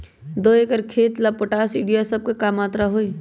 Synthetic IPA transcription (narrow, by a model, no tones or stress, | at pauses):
d̪oːeːkəɾkʰeːt̪lapəʈaːsɪ̃ɖijasɐb̚kekaːmaːt̪ɾaɦoːi